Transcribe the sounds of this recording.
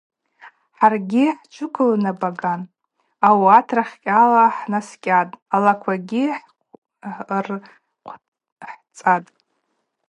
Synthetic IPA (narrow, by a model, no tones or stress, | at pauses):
ħarɡʲiħt͡ʃʷʰʊkʷʰʊlnabaɡan | awatʰraχʲkʲʼalaħnaskʲʼatʼalakʷʰaɡʲiħ | rʷʰ | ħt͡sʼatʼ